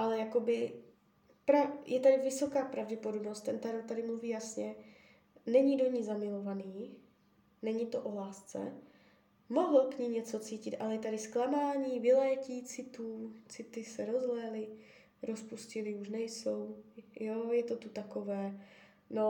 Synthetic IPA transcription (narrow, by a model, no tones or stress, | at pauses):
ʔalɛjako̞bɪ | pɾajʔɛt̪adɪvɪso̞kaːpɾavɟɛpo̞dobnost̪t̪ɛnt̪aɾok̚t̪adɪmluviːjasɲɛ | nɛɲido̞ɲiːzamɪlo̞vaniː | nɛɲɪt̪o̞ʔo̞laːst͡sɛ̰ | mo̞ɦl̩kɲiːmɲɛt͡so̞t͡siːcɪt̪ʔalɛjɛt̪adɪsklamaːɲiːvɪlɛːciːt͡sɪt̪uːt͡sɪt̪ɪsɛɾo̞zlɛlɪ | ɾo̞spuscɪlɪuʃnɛjso̞wjojɛt̪o̞t̪ut̪akovɛː | no